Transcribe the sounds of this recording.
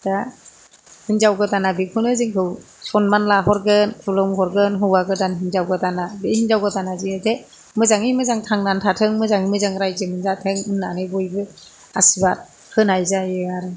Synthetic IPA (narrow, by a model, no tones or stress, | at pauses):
d̥a | hinzawɡɯtanabikʰɯnɯziŋkʰɯw | sɔnmanlaɦɔɾɡɯnkʰulɔmhɔɾɡɯnɦɯwaɡɯdanɦinzawɡɯdanabihinzawɡɯtanaziade | mɯzaŋimɯzaŋtʰaŋnantʰatʰɯŋmɯzaŋimɯzaŋɾajzemɯnzatʰɯŋɯnːanɯjbɔjbɯ | asibat̚ | hʰɯnajzajɯaɾɯ